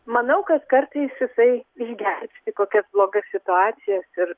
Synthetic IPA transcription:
mɐnɐʊkɐt̪kɐrt̪ɐɪsjɪsɐɪɪʒʲɡʲɛrʲpʲt̪ʲɪkoːkʲɛsblˠoːɡɐssʲɪt̪ʊɑːt͡s̪ʲɪjɛsɪr

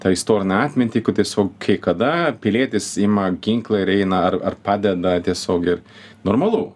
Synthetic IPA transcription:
t̪ɑːɪst̪oːɾʲɪnʲɐɑːt̪ʲmʲɪnʲt̪ʲiːkʊt̪ʲiɛsʲoːkkʰɐɪkɐd̪ɐpʲɪlʲiɛt̪ʲɪsɪːmɐɡʲɪŋklˠɐɪɾɛɪnɐɐrɐ̰rpɑːd̪ʲɛd̪ɐt̪ʲiɛsʲoːkɪr | noːrmɐlˠuː

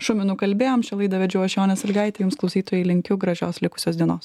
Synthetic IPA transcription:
ʃʊmʲɪnuːkɐlʲbʲeːjoːmʃʲɛlˠɐɪd̪ɐʋʲɛd͡ʒʲʊɐʃʲjoːnʲɛsɐlʲɡɐɪt̪ʲɛjʊmsklˠɔʊsʲiːt̪oːjɛɪlʲɪŋʲkʲʊɡɾɐʒʲoːslʲɪkʊ̥sʲoːsd̪ʲiɛnoːs

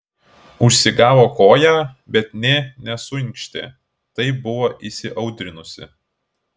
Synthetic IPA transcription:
ʊʃʲsʲɪɡɑːʋoːkoːjæːbʲɛt̪nʲɛnʲɛsʊɪ̃ŋʲkʃʲt̪ʲḛː | t̪ɐɪbʊʋoːʔisʲɪʔɐʊd̪ʲɾʲɪnʊsʲɪ̰

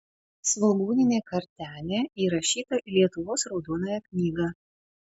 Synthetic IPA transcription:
sʋɐlˠɡuːnʲɪnʲeːkɐɾʲt̪ʲæːlʲeːiːɾɐʃʲiːt̪ɐʔilʲiɛt̪ʊʋoːsɾɒʊd̪uɔnoːjɛknʲiːɡɑː

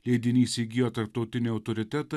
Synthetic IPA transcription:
lʲeːd̪ʲɪnʲiːsʲiːɡʲɪjoːt̪ɐɾp̚t̪ɐʊt̪ʲɪnʲeɐʊt̪ɔɾʲɪt̪ʲæːt̪

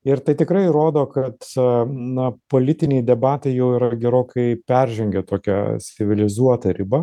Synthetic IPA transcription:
ɪɾt̪ɐɪt̪ʲɪkɾɐɪɾoːd̪oːkɐt̪nɐpoːlʲɪt̪ʲɪnʲɛɪd̪ʲɛbɑːt̪ɐɪjɛʊiːɾɐɡʲɛɾoːkɐɪpʲɛrʲʒʲɛŋʲɡʲɛt̪oːkʲɛ̰sʲɪʋʲɪlʲɪzuɔt̪ɐɾʲɪbɐ

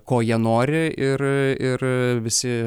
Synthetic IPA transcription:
koːjiɛnoːɾʲɪɪrɪrʋʲɪsʲɪ

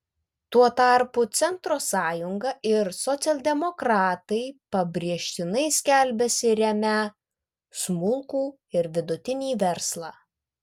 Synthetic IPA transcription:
t̪uɔt̪ɑˑɾpʊt̪sʲɛnt̪ɾoːsɑːjʊŋɡɐʔɪɾsɔt̪sʲɛlˠʲd̪ʲɛmɔkɾɑːt̪ɐɪpɐbʲɾʲiɛʃʲt̪ʲɪnɐɪsʲkʲælʲbʲɛsʲɪɾʲɛmʲæ | smʊlˠkuː | ɪɾʋʲɪd̪ʊt̪ʲɪnʲiːʋʲɛɾslˠɑː

